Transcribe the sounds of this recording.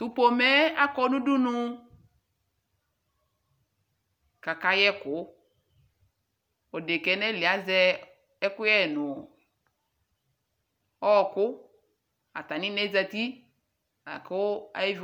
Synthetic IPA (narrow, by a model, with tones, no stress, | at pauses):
t̪u˦po˨mɛ˦a˦kɔ˦nu˦du˦nʊ˦ | ka˨ka˨jɛ˦kʊ˨˦ | ɔ˨de˨kɛ˨nɛ˦˨li˨a˨˦zɛ˦ | ɛ˦kʊ˦ɛ˦˨nʊ˨ | ɔ˦˨kʊ˦ | a̰˨ta˨nɪ˦nɛ˦za˨ti˦ | na̰˨kʊ˦a̰˨i˦v